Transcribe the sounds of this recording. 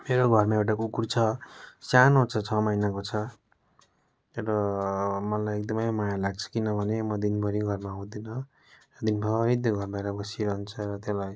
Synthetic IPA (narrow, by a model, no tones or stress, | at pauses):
meɾoɡʱʌrmaewʈ̬akukurt͡sʰʌsanɦut͡sʰʌt͡sʰʌmʌjnakot͡sʰʌ | rʌmʌlajek̚d̪ʌmʌjmajalaɡ̚t͡sʰʌ̥kinʌbʱʌnemʌd̪inbʱʌɾiɡʱʌrmaɦũd̪inʌ | rʌd̪inbʱʌɾit̪̬oɡʱʌrmaɾʌbʌsiɾʌɦunt͡sʰʌɾʌt̪jelaj